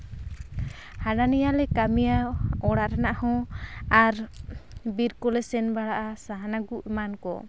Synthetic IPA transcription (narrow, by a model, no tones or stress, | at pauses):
haɖanijalɛkamijaɔɽaʔɾanaʔhɔ̃aɾ | biɾkulɛsɛnbaɽaʔasaɦanaɡuʔmankɔ̰